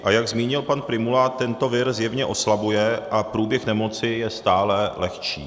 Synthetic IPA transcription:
ʔajaɡzmiːɲɪlpanpɾɪmulaːt̪ːɛnt̪o̞vɪɾzjɛvɲɛʔo̞slabujɛʔapɾuːbjɛxnɛmo̞t͡sɪjɛst̪aːlɛlɛxt͡ʃḭː

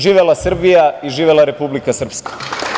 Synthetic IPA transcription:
ʒiːʋelasr̩bijaiʒiːʋelaɾe̞publikasr̩pskḁ

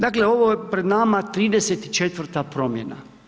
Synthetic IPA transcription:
d̪akle̞o̞ʋojepɾed̪namat̪ɾiːd̪eset̪i̥t͡ʃet̪ʋr̩t̪apɾo̞mjena̰

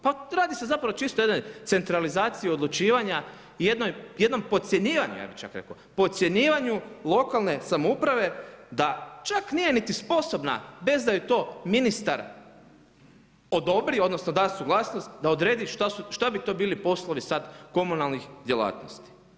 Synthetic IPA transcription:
paɾaːd̪isezapɾaʋot͡ʃist̪ojed̪no̞jt̪e̞nt̪ɾalizaːt̪siio̞d̪lˠut͡ʃiːʋaɲa | je̞d̪nojje̞d̪no̞mpo̞t̪sʲjeɲiːʋaɲuja̰ːbixt͡ʃa̰kɾḛko̰ | po̞t̪sje̞ɲiːʋaɲulˠo̞kalˠne̞samoupɾaʋe̞d̪at͡ʃaknije̞nit̪ispo̞so̞bna̰be̞zd̪ajet̪o̞ːminist̪aɾ | o̞d̪o̞bɾio̞d̪no̞snod̪asuɡlˠasnost̪d̪ao̞d̪ɾe̞ːd̪iʃt̪asuʃt̪abit̪o̞biːlipo̞slˠoʋisad̪ko̞munalˠnixd̪ʲjela̰ːt̪no̰st̪i̥

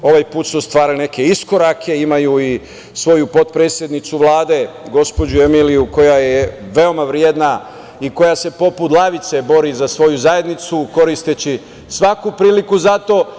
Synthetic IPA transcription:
o̞ʋajpuːt̪sust̪ʋaːɾane̞ke̞isko̞ɾakʰe̞imajui | sʋo̞jupo̞t̪pɾeːt̪sje̞d̪nit̪suʋlˠaːd̪e̞ɡo̞spo̞d͡ʑuemilijuko̞jajeʋe̞o̞maʋɾjed̪na | iko̞jase̞po̞put̪lˠaʋit̪se̞bo̞ɾizasʋo̞juzaje̞d̪nit̪suko̞ɾist̪et͡ɕi | sʋakupɾiːlikuzat̪o̞ː

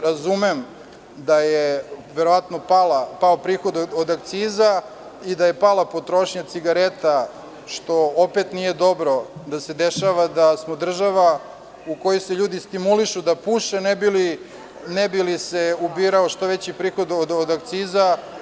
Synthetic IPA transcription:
ɾazumem | d̪ajeʋeɾo̞ʋat̪nopalapaopɾiːxo̞d̪od̪ak̚t̪siːza | id̪aje̞palˠapo̞t̪ɾo̞ʃɲat̪siɡaɾet̪a | ʃt̪o̞opet̪nije̞d̪o̞bɾo̞d̪ased̪eʃaʋad̪asmod̪r̩ʒaʋa | uko̞joseʎuːd̪ist̪imuliʃud̪apuʃenebili | nebiliseubiɾaoʃt̪oʋet͡ɕipɾiːxo̞d̪od̪od̪akt̪siːza

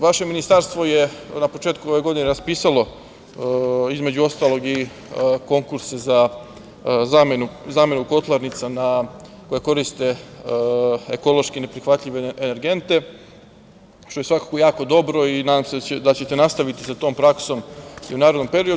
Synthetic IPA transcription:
ʋaʃe̞minist̪aɾst̪ʋo̞jenapo̞t͡ʃe̞ːt̪kuo̞ʋeɡo̞d̪ineɾaspiːsalo̞ | izme̞d͡ʑuo̞st̪aːlo̞ɡi | ko̞ŋkuɾsaza | zamenuzaːme̞nuko̞t̪lˠaɾnit̪sana | ko̞jeko̞ɾist̪e̞ | eko̞lo̞ʃkine̞pɾixʋat̪ʎʲiʋeeneɾɡe̞nt̪e̞ | ʃt̪o̞je̞sʋakḁkojaːko̞d̪o̞bɾo̞inaːd̪amsed̪at͡ɕe̞t̪e̞nast̪aʋit̪isat̪o̞ːmpɾakso̞mḭunaːɾed̪nompe̞ɾio

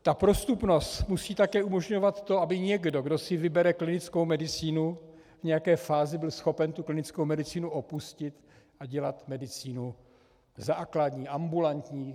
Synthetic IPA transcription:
t̪apɾo̞st̪upno̞st̪musiːt̪akɛːʔumo̞ʒɲo̞vat̪ːo̞ʔabɪɲɛɡdo̞ɡdo̞sɪvɪbɛɾɛklɪnɪt͡skowmɛdɪt͡siːnu | vɲɛjakɛːfaːzɪbɪlsxo̞pɛnt̪uklɪnɪt͡skowmɛdɪt͡siːnuʔopuscɪt̪ | ʔaɟɛlat̪mɛdɪt͡siːnu | zaːkladɲiːʔambulant̪ɲiː

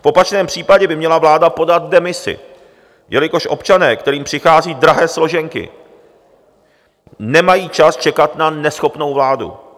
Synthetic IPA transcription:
fʔo̞pat͡ʃnɛːmpr̝̥iːpaɟɛbɪmɲɛlavlaːdapo̞dat̪̚dɛmɪsɪ̰ | jɛlɪko̞ʃʔo̞pt͡ʃanɛːkt̪ɛɾiːmpr̥ɪxaːziːdɾaɦɛːslo̞ʒɛŋkɪ̰ | nɛmajiːt͡ʃast͡ʃɛkat̪nanɛsxo̞pno̞wvlaːdṵ

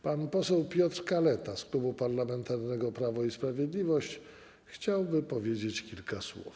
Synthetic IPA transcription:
panpɔsɛwpʲjɔt̪ɾkalɛt̪asklubupaɾlamɛnt̪aɾnɛɡɔpɾavɔispɾavʲjed̪lʲivɔɕt͡ɕ | xt͡ɕawbɘpɔvʲjed͡ʑet͡ɕkʲilkaswṵf

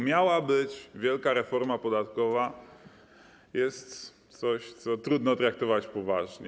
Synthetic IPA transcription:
mʲjawabɘt͡ɕvʲjɛlkaɾɛfɔɾmapɔd̪at̪kɔva | jɛst̪t̪sɔɕt̪sɔt̪ɾud̪nɔt̪ɾak̚t̪ɔvat͡ɕpɔvaʐɲɛ

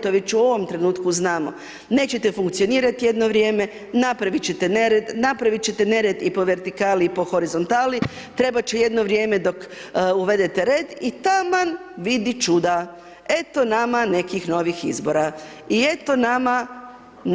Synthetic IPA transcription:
t̪oʋet͡ɕuo̞ʋo̞mt̪ɾe̞nuːt̪kuznaːmo̞̰ | ne̞ːt͡ɕe̞t̪efuŋk̚t̪sio̞niːɾat̪ije̞d̪noʋɾje̞ːme̞ | napɾaʋit͡ɕet̪e̞neɾed̪napɾaʋit͡ɕe̞t̪ene̞ɾe̞d̪ipo̞ʋe̞ɾt̪ikaːliipo̞xo̞ɾizo̞nt̪aːli | t̪ɾe̞bat͡ɕeje̞d̪noʋɾje̞ːme̞d̪o̞kuʋe̞d̪e̞t̪e̞ɾe̞ːd̪it̪aman | ʋid̪it͡ʃud̪a | e̞t̪o̞namane̞kixno̞ʋixḭzbo̞ɾa | ie̞t̪o̞nama

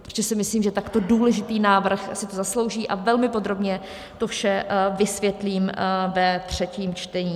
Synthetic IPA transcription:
pɾo̥ʒɛsɪmɪsliːmʒɛt̪akt̪o̞duːlɛʒɪt̪iːnaːvr̩xsɪt̪ozaslo̞wʒiːʔavɛlmɪpo̞d̪ɾo̞bɲɛ | t̪ofʃɛvɪsvjɛt̪liːmvɛt̪r̥ɛciːmt͡ʃt̪ɛɲiː

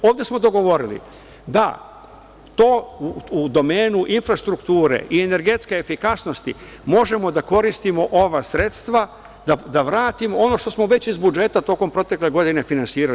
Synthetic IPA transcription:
oːʋd̪ʲe̞smo̞d̪o̞ɡo̞ʋo̞ɾilḭ | d̪a̰ | t̪o̞ːuud̪o̞meːnuʔinfɾast̪ɾukt̪uːɾe̞̰ʔiene̞ɾɡe̞t̪ske̞ːfikasno̞st̪i | mo̞ʒe̞mo̞d̪ako̞ɾist̪imo̞ʔo̞ʋasɾe̞t̪st̪ʋa | d̪ad̪aʋɾaːt̪imo̞o̞no̞ʃt̪o̞smo̞ʋe̞t͡ɕizbud͡ʒe̞t̪at̪o̞ko̞mpɾo̞t̪e̞kle̞ɡo̞d̪ine̞finansiːɾa

